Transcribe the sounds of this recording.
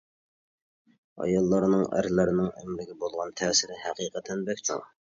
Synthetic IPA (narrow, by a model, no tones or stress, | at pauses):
ɑ̰jɑlˠːɑɾnɨŋæ̰ɾlæɾɪnɨŋæ̰mlɪɡʲɪbolˠʁɑnt̪ʰɛːsɪɾɪhæqiːqʰət̪ʰɛnbɛkʲt͡ʃʰṵŋ